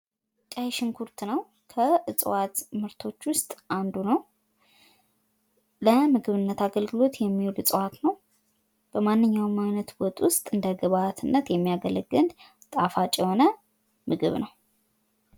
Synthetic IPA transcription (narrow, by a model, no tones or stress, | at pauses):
kʼajʃɪnkʰuɾt̪ʰnəw | kʰəɨt͡sʼwat̪mɨɾt̪ʰo̞t͡ʃːwʊst̪ʼʔand̪unəw | ləmɨɡɨβɨnːət̪aɡəlɡɨlo̞t̪jɛmːiwolɨt͡sʼəwat̪nəw | b̥əmanːɨɲːawmːajnət̪wɔt̪ʼwʊst̪ʼɨnd̪əɡəβat̪ʰɨnːət̪jɛmːijaɡələɡɨn | t̪ʼafat͡ʃʼjɛho̞nə | mɨɡɨ̰βnəw